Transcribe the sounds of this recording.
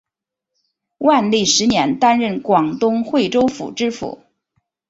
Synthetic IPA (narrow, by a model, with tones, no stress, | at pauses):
wa˥˧nli˥˩ʂɻ̩˧˥njɛ˧˥nt̪a˥nɻə˥˩nkwɑ˨˩ŋt̪ʊ˥ŋxwe˥˩ɪʈ͡ʂo˥ʊfṵ˨˩ʈ͡ʂɻ̩˥fṵ˨˩˦